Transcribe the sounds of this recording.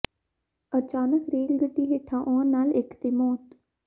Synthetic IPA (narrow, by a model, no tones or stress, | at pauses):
ət͡ʃaːnəkɾeːlɡəʈːiːɦeʈʰãːʔɔːɾnaːlɪkt̪eːmɔːt̪